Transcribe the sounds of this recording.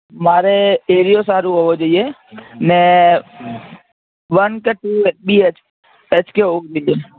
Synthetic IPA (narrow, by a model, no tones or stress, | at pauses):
maɾeeɾijosaɾuɦoʋod͡ʒoie | ne | ʋənkeʈuebiet͡ʃ | et͡ʃkeɦokd͡ʒoie